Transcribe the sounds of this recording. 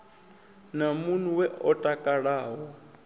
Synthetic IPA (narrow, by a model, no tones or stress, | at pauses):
namun̤uwɛʔɔtʼakʼaɺaːwɔ